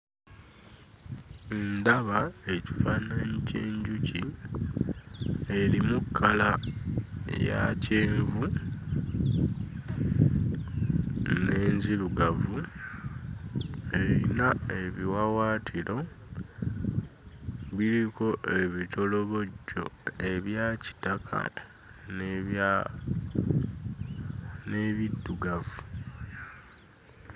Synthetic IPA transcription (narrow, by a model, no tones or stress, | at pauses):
endaβae̞ci̥faːnaɲiceːɲɟuci | e̞ɾimukʰːala | ja̰ceːɱvu | ne̞ːnziɾuɡavu | e̞ɾinae̞βiwawaːtʰiɾo̞ | βiɾiko̞ʔe̞βitʰo̞lo̞βo̞ɟːo̞̰e̞βjaːci̥takʰa̰ | n | ne̞βidːuɡavu